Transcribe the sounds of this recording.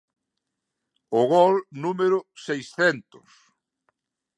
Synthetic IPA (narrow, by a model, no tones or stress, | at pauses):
ʊɣɔlnumeɾʊsejsθɛnt̪ʊs